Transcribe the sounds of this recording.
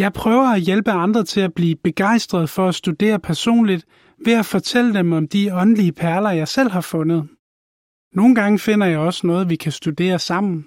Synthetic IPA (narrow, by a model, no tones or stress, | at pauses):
jɑ̈ɪpʰʁœːʊɐæjelb̥əɑ̈nd̥ʁɐt͡sʰe̝læb̥liːb̥e̝ɡ̥ɑ̈ɪ̰sd̥ʁɐð̞ˠfɒ̽æsd̥ud̥e̝̰ːɐpʰæɐso̝̰ːnlid̥ | ʋe̝æfɒ̽t͡sʰel̰əd̥emɒ̽md̥iɒ̽nəliəpʰæɐlɐjɑ̈ɪsel̰ɦɑ̈fɔ̽nəð̞ˠ | no̝ːn̩ɡ̥ɑ̈ŋəfe̝n̰ɐjɑ̈ɪɒ̽sənɔ̽ːð̩ˠʋikʰæsd̥ud̥e̝̰ːɐsɑ̈m̰n̩